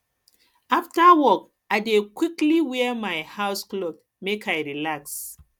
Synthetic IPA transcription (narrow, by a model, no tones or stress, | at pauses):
aftawɔk | aɪdekwikliwɛmaɪhaʊsklɔt | mekʰajɹilaks